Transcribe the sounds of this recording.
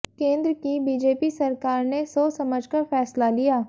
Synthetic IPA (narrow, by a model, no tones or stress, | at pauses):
kẽːnd̪ɾkibiːd͡ʒeːpisɐɾkaːɾnesoːsɐməd͡ʒʱkafʰɛːslalijaː